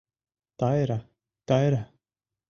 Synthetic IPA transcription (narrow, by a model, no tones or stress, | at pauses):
t̪ajɾa | t̪ajɾa